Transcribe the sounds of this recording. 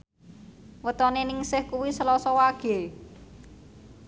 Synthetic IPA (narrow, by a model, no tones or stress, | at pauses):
wət̪ɔnenɪŋsɪhkuwisəlɔsɔwaɡ̥e̤